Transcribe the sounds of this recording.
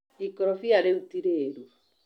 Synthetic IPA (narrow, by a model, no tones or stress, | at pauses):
ikɔɾɔfiaɾeutiɾeːɾu